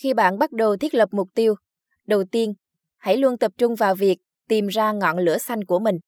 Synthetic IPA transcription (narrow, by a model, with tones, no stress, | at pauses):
xi˧ɓa̰ː˧˨nɓa˦˥t̚ɗə˨˩wt̪ʰi˦˥ət̚lə˨˩p̚mʊ˨˩k͡p̚t̪i˧əw | ɗə˨˩wt̪i˧ən | ha̰˧˥˩jlu˧ənt̪ə˨˩p̚t͡ɕʊ˧ŋ͡mvaː˨˩wvi˨˩ək̚ | t̪i˨˩mzaː˧ŋɔ̰˧˨nlɨ̰˧˥əsa˧jŋ̟ku˧˩əmï˨˩ŋ̟